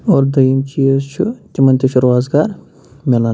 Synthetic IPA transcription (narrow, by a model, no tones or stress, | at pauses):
oːɾd̪ɐjimt͡ʃiest͡ʃʰut̪ʲimɐnt̪iʃʰuɾaːzɡaːɾ | mʲela